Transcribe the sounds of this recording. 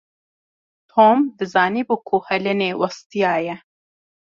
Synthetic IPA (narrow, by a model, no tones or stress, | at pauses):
t̪ʰoːmd̪ɨzɑːniːbuːkʰuhɛlɨneːwɑst̪ijɑːjɛ